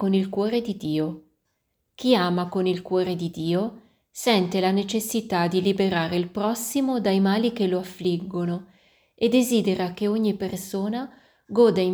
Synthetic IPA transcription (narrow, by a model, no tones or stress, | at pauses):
onilkwɔːɾed̪id̪iːo | k̟ʰiaːmakonilkwɔːɾed̪id̪iːo | sɛnt̪elanet͡ʃesːit̪ad̪ilibeɾaːɾeilpɾɔsːimod̪ajmaːlik̟eloafːliɡːono | ed̪ːeziːd̪eɾak̟eoɲːipersoːna | ɡɔːd̪a